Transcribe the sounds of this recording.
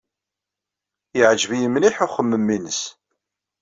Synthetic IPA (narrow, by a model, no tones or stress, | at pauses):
jəʕʒəvijəmliħʊχəmːəmːinəs